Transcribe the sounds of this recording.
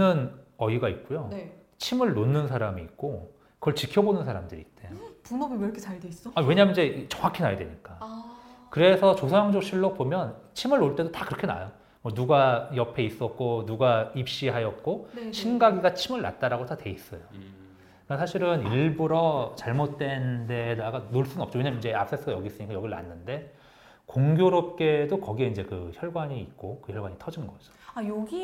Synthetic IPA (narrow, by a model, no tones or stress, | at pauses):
ɯnʌiɡait̚k͈ujon | t͡ɕʰimɯɭːonːɯnsʰaɾamiːk̚k͈o | kɯʌɭt͡ɕikʰjʌbonɯnsʰaɾamdɯɾḭt͈epunʌɡɯɾʌkʰet͡ɕaɭdweis͈ʌawe̞ɲamʌnid͡ʑe̞t͡ɕʌŋakʰinajedwḛɲik͈a | kɯɾe̞sʰʌt͡ɕosʰʌjaŋd͡ʑoɕʰiɭːok̚pomjʌnt͡ɕʰimɯɭːoɭt͈e̞dotakɯɾʌkʰena̰jo | mwʌnuɡajʌpʰe̞is͈ʌk̚k͈onuɡaip̚ɕ͈iɦajʌt̚k͈oɕʰinɡaɡiɡat͡ɕʰimɯɭːa̰t̚t͈aɾaɡotatwe̞is͈ʌ̰jo | kɯɾʌnsʰaɕʰiɾɯniɭbɯɾʌt͡ɕaɭmot̚t͈we̞nde̞daɡanoɭs͈unɯnʌp̚t͡ɕ͈ojiɲamnd͡ʑe̞a̰p̚s͈es͈ɯɡajʌɡis͈ɯɲikajʌɡiɾɯɭna̰nːɯnde̞ | koŋɡjoɾʌp̚k͈e̞dokʌɡieind͡ʑe̞kɯçjʌɭɡwaɲiːt̚k͈okɯçjʌɭɡwaɲitʰʌd͡ʑinɡʌd͡ʑʌ̥ajoɡi